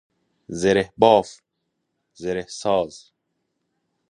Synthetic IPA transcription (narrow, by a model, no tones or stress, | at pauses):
zeɾehbɔːf | zeɾehsɔːz